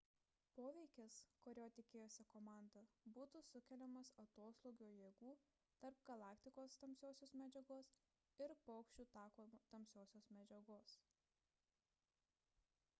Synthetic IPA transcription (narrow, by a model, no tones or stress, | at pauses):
poːʋʲɛɪkʲɪskɔɾʲoːt̪ʲɪkʲeːjoːsʲɛkoːmɑˑnd̪ɐbuːt̪usʊkʲɛlʲɛmɐsɐt̪oːst̪oːɡʲoːjeːɡuː | t̪ɐɾp̚ɡ̥ɐlˠɑːkt̪ʲɪkoːst̪ɐmʲsʲoːsʲoːsmʲɛd͡ʒʲɛɡoːs | ɪɾpɔːkʃʲt͡ʃʲuːt̪ɑːkoːt̪ɐmʲsʲoːsʲoːsmʲɛd͡ʒʲɛɡoːs